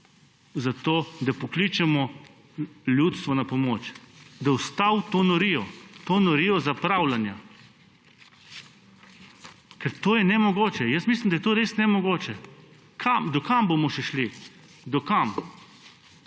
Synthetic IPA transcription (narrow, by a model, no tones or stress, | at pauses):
zat̪oːd̪apɔklit͡ʃɛmɔ | ljut̪st̪ʋɔnapɔmoːt͡ʃd̪awst̪awt̪onɔɾiɔt̪onɔɾiɔzapɾawlanja | kɛɾt̪oːjɛnɛmɔɡoːt͡ʃɛjəsmislimd̪ajɛt̪oːɾesnɛmɔɡoːt͡ʃɛ | kʰamd̪ɔkambomɔʃɛʃli | d̪ɔkam